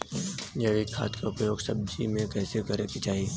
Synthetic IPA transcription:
jɛːʋikʰːa̰ːt̪kʰaʊpjoːɡsɐb̚d͡ʒimẽkɛːseɡəɾekit͡ʃaːɦieː

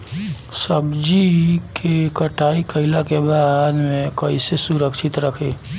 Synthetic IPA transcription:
səbd͡ʒikʰekəʈaikəɪlakebad̪mẽkəisesuɾəkʃʰit̪ɾəkʰe

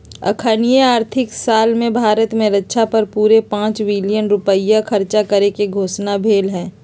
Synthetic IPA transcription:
ɐ̰kʰənijeaːɾt̪ʰɪksaːlmẽbʱaːɾət̪mẽɾɐtːʃʰapɐɾpuːɾepãːt͡ʃʋɪlijənɾʊpəɪjakʰɐɾt͡ʃakəɾekeɡʱoːsnabʱeːlɦɛ̃ː

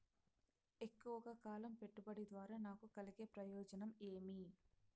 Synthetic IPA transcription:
e̞kːuʋɐkɐkaːlɐmpe̞ʈːubɐɽid̪ʋaːɾaːnaːkukɐliɡe̞ːpɾɐjɔːd͡ʒɐnɐme̞ːmi

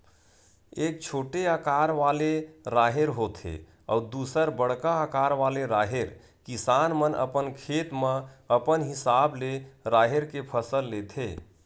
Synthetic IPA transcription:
eːk̚t͡ʃʰoːʈeakaɾʋaleɾaːɦeɾɦot̪ʰḛ | ɔ̰ud̪usəɾbəɽ̤kaakaːɾʋaleɾaɦeɾ | kisanmənə̰pənkʰet̪mə̃əpənɦisableɾaɦeɾkepʰəsəlːet̪ʰe

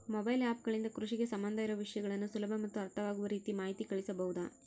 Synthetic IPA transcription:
mobɐjlaːp̚ɡɐɭind̪ɐkɾuʂiɡe̞sɐmbɐnd̪ʱɐiɾɐʋɐʋiʂɐjɐɡɐɭɐnːusulɐbʱɐmɐt̪ːuɐɾt̪ʰɐʋaːɡuʋɐɾiːt̪imaːɦit̪ikɐɭisɐbɐɦud̪ɐ

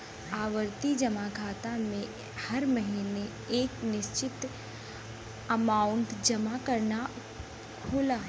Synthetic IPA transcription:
aːʋəɾt̪id͡ʒɐmakʰaːt̪amẽ | hɐɾməɦine | eːknɪʃt͡ʃɪt̪ | əmaːʊɳʈd͡ʒɐmakɐɾna | kʰʊlaː

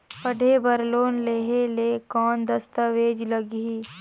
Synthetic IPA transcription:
pəɖʱebəɾloːnleːɦeleːkɔːnd̪əst̪əʋeːd͡ʒləɡɦi

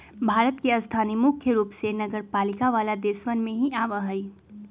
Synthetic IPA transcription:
bʱaːɾət̪̚keɐst̪ʰaːnimʊkʰjəɾuːpsenɐɡəɾpaːlikaʋaːlad̪eːsʋənmẽɦiaːʋəɦəi

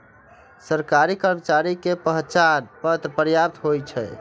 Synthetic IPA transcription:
səɾkaɾikəɾmət͡ʃaɾikepəɦt͡ʃanpət̪ɾəpəɾjap̚t̪ɦojt͡ʃʰɛ̰

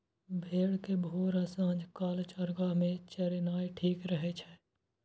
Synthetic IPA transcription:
bʱeːɽkebʱoːɾasãːd͡ʒʱkaːlt͡ʃəɾɡamẽt͡ʃəɾinaːjʈʰiːkɾəɦet͡ʃʰɛ

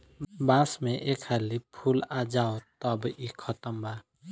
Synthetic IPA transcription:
bãsmẽʔekʰalipʰulad͡ʒaːot̪ɔbikʰɔt̪əmbaː

